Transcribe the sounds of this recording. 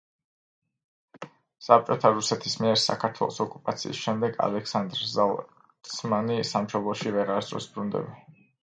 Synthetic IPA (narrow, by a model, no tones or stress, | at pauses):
sap̚t͡ʃʼɔt̪ʰaɾusɛt̪ʰismiɛɾsa̰kʰaɾt̪ʰwɛ̰lˠɔ̰sɔkʼupʼat̪sʰḭːsʃɛmd̪ɛɡa̰lɛksand̪ɾzal | smanisamʃɔblˠɔʃivɛʁaɾd̪ɾɔ̰sbɾund̪ɛ̰bi